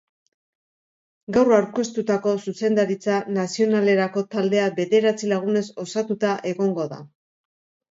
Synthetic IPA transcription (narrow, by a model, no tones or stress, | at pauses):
ɡawrawɾko̞st̪ut̪ako̞suse̞nd̪aɾit͡sanasio̞nale̞ɾako̞t̪ald̪e̞abe̞ðe̞ɾat͡silaɣ̞une̞so̞sat̪ut̪aʔe̞ɣo̞ŋɡo̞ða̰